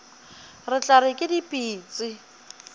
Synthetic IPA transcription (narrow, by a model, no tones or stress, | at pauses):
rɪt͡ɬʼaɾɪkʼɪdipʼiːt͡sʼɪ